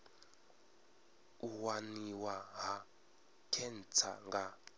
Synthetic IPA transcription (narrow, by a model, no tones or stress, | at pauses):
uwaniwaɦa | kʰɛnt͡sʰa̰ŋɡa